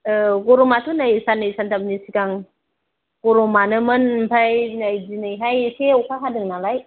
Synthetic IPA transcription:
ɯɡoɾomatʰunajsanɯjsantʰap̚nisiɡaŋ | ɡ̥oɾomanɯmɯnpʰajnajzinɯjɦajseukʰakʰadɯŋnalaj

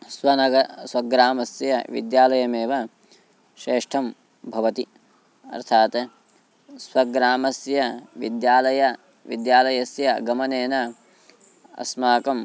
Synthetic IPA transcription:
swɐnɐɡɐswɐɡɾaːmɐsjɐ̰ʋḭd̪jaːlɐjɐmeːʋɐ | ʃeːʂʈʰɐm | bʱɐʋɐt̪i | ɐ̰ɾt̪ʰaːt̪ | swɐɡɾaːmɐsjɐʋḭd̪jaːlɐjɐ | ʋḭd̪jaːlɐjɐsjɐɡɐmɐneːnɐ | ɐ̰smaːkɐm

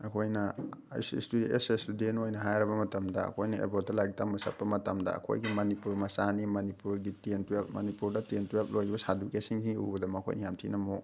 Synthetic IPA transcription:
ɐkʰojnɐsstudiḛsestudentojnɐɦajɾɐbɐmɐtɐmdɐɐ̰kʰojnɐḛbot̚dɐlaɡitʰamɐsɐ̰t̚pːɐmɐtɐmdɐ̰ɐ̰kʰo̰jɡimɐnipuɾmɐsanimɐnipuɾɡitentuep̚mɐnipuɾdɐtentuep̚lojibɐsadukesiŋsiŋɡiṵbɐdɐmɐkʰo̰jnijamtʰinɐmok̚

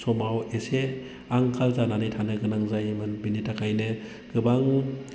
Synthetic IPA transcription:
sɔmawese | aŋkʰalzananɯjtʰanɯɡɯnaŋzajmɯnbinitʰakʰajnɯ | ɡ̥ɯbaŋ

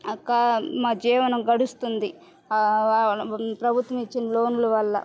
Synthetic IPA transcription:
ɐkːɐmaːd͡ʒɛːʋɐnɐmɡɐɽust̪und̪i | pɾɐbʱut̪ʋɐmit͡ʃːinɐlo̞ːnulɐʋɐlːɐ̰

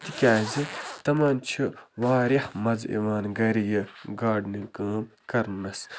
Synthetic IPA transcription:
t̪ikʲaːzit̪ɐmaːnt͡ʃʰiʋaːɾiħmɐzḭʋaːnɡɐɾijɐɡaːɖnikəːmkɐɾnɐs

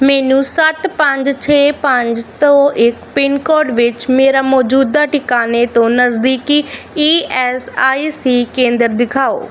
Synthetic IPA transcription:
mɛːnũːsət̪pəɲd͡ʒt͡ʃʰeːpəɲd͡ʒt̪õːʔɪkpɪnkɔːɖʋɪt͡ʃmeːɾaːmɔːd͡ʒuːd̪aːʈɪkaːneːt̪õːnəsd̪iːkiːiːɛːsaːiːsiːkẽːnd̪əɾd̪ɪkʰaːo̰ː

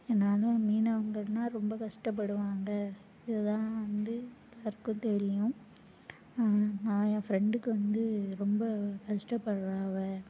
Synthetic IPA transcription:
ɛnaːlɐ̃miːnɐʋɐŋɡɐɽnaːɾɔmbɐkɐʂʈɐp̬ːɐɽɯʋaːŋɡɐ | ɪðɐt̪ãːʋɐnd̪ɯ | lɐɾkːʊ̃t̪ɛɾɪjʊ̃ | nãːjãfɾɛɳɖɯkːɯʋɐnd̪ɯɾɔmbɐkɐʂʈɐpːɐɽɯɾaːʋɐ

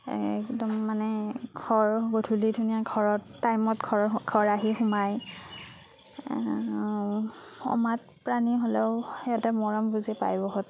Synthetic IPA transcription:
ɛ̰kdɔmːanɛɡʱɔɹɡotʰulidʱunijaɡʱɔɹɔtːajmɔtɡʰʱɔɡʰʱɔɹaɦixʊmaj | ɔ̰mat̚ | pɹaniɦolɛʊɛjatɛmɔɹɔmbuzɛpa̰jbɔɦɔt

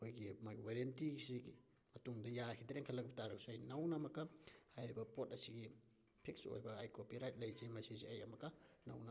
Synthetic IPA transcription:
ojɡimajwaɾentisiɡi | mɐtuŋdɐjakʰidɾeŋkʰɐlɐɡbitaɾaksuɐjnɐwnɐmɐkːɐhajɾibɐpotɐsiɡi | pʰik̚so̰jbɐːjkopiɾajt̚lɐjzejmɐsijziɐjɐmɐkːɐna̰wna

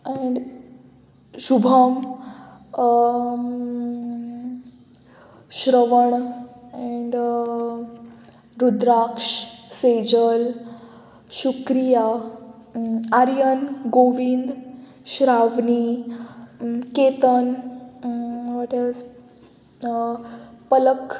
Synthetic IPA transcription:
ɛɳɖ | ɕubʱəm | ɕɾəʋəɳɛ̃ɳɖ | ɾud̪ɾakʂsed͡ʑəl | ɕukɾija | aɾjənɡoʋind̪ | ɕɾaʋni | ket̪ən | ʋɔʈiz | pələk

